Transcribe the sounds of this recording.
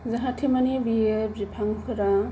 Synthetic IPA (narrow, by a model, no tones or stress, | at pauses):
zaɦatʰemanibiepzipʰaŋkʰɯɾa